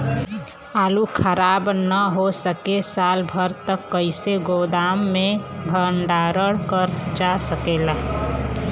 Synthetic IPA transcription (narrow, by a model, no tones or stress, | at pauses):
aːlukʰəɾabnəɦosəkesalbʱəɾt̪əkːəɪseɡod̪amːebʱəɳɖaɾəɽkəɾd͡ʒasəkela